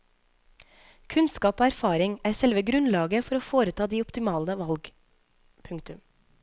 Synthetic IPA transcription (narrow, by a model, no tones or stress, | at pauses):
kʰʉnskɑːpoːæɾfɑːɾɪŋæːsɛlʋəɡɾʉnlɑːɡəfɔɾoːfoːɾət̪ʰɑːd̪iːɔpt̪ɪmɑːləʋɑlɡ | pʰʉŋkt̪ʉm